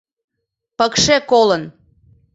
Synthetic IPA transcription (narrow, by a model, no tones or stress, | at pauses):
pəkʃekolən